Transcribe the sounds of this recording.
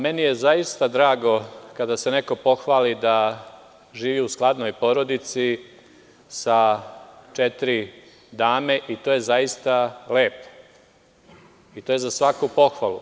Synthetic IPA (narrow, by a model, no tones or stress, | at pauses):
me̞nije̞zajist̪ad̪ɾaːɡo̞kad̪ase̞neko̞po̞xʋaːlid̪a | ʒiːʋiusklˠad̪no̞jpo̞ɾo̞d̪it̪si | sa | t͡ʃet̪iɾi | d̪aːme̞ʔit̪ojezajist̪aleːpo̥ | it̪oːje̞zasʋakupo̞xʋalˠṵ